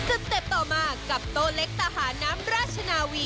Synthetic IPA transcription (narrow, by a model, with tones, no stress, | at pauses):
sɯ˨˩k̚t̪e˨˩p̚t̪ɔː˨˩maː˧kkːa˨˩p̚t̪oː˧le˦˥k̚sa˧ɦaː˩˦naː˦˥mɾaː˥˩t͡ɕʰa˧naː˧wiː˧